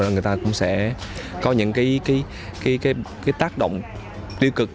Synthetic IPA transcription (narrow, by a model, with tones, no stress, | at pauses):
ɗŋɨ˨˩əjt̪aː˧kʊ̰˧˥ŋ͡msɛ̰˧˥kɔ˨˦ɲɨ̰˧˥ŋkaː˨˦jkaː˨˦j | kaː˨˦jkaː˨˦jkaː˨˦jt̪aː˦˥k̚ɗo̰˧˨wŋ͡m | t̪i˧wkɨ˨˩k̚